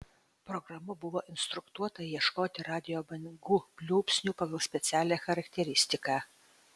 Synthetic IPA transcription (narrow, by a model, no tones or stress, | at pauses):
pɾɔɡɾɐmʊbʊʋoːʔɪnst̪ɾʊkt̪uɔt̪ɐjiɛʃkoːt̪ʲɪɾɑːd̪ʲɪjoːbɐnɡuːpʲlʲuːpʲsʲnʲuːpɐɡɐlˠsʲpʲɛt̪sʲæːlʲɛːxɐɾɐkt̪ʲɛɾʲɪsʲt̪ʲɪkɑː